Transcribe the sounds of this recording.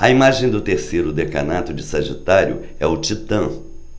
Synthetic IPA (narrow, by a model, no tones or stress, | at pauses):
ɐimaʒẽj̃d̪ʊt̪eɾsejɾʊd̪eka̰nat̪ʊd͡ʒɪsɐʒit̪aɾjʊ̰ | ɛʊt͡ʃit̪ɐ̃